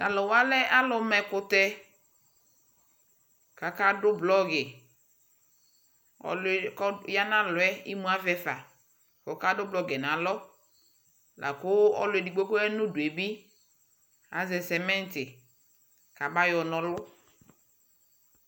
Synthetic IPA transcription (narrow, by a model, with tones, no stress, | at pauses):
da˨lɔ˨wa˦lɛ˦ʔa˦lɔ˨mɛ˨kʊ˨t̪ɛ˦ | ka˨ka˦dʊ˦blɔ˦ɡɛ˨ | ɔ̰˨lkja˦nã˦lʊ˨ɛ˦i˦mũ˦a˦fɛ˨fa˨ | kɔ˨ka˦dʊ˦blɔ˦ɡɛ˨nã˨lɔ˦ | lʔa̰˨kʊ˦ɔ̰˦lʊ˨ɛ˨di˨ɡ͡bo˦ko˦ɛ˦nʊ̃˦dʊ˨e˨bi˦ | a˨zɛ˨sɛ˨mɛ̃˦n˦tɪ˨ | ka˨ba˦jɔ˨nɔ̃˨lʊ˦